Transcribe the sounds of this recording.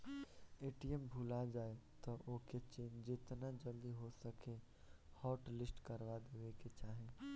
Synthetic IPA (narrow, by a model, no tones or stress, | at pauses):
eʈiembʱulad͡ʒaet̪ɔʔoket͡ʃeːnd͡ʒet̪nad͡ʒəld̪iɦosəke | hɔːʈlisʈkəɾbad̪eweket͡ʃaɦe